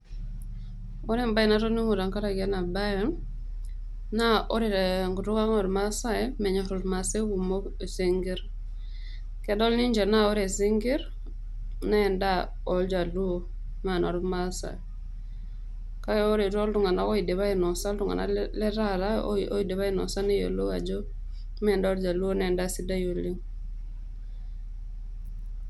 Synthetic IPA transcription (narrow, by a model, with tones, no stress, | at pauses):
o˦ɾe˦mba˦ji˨na˦to˦ni˦ŋu˨ɾa˨ŋka˦ɾa˨ɡe˦na˨ba˦ji˦n | na˦ʔo˦ɾi˨ɾe˨ŋɡu˨tu˦ka˦ŋo˨ɾma˦sa˦eme˨ɲa˨ɾu˨ɾma˨se˦ɡu˨mo˦ | e˨si˦ŋɡi˦ɾ | ke˨do˦lni˦ɲd͡ʒe˨na˦o˦ɾe˨si˦ŋɡi˦ɾ | na˦˨nda | ɔ˨ld͡ʒa˨lu˦o | ma˨na˨ɾu˦ma˦sa̰˨e˨ | ka˦jɔ˦o˦ɾe˨to˦ldu˨ŋa˨na˦ko˦i˨de˨βa˦i˨nɔ˨sa˦ldu˨ŋa̰˨na̰˦le˦ɾa˦ɾa˦o˦i˨de˨βa˦i˦nɔ̰˨sa˦ne˦jo̰˨lo˦a̰˨d͡ʒo˦ | me˨nda˦o˦ld͡ʒa˨lu˦o˦ne˨nda˦si˦da˦jo˨li˦ŋ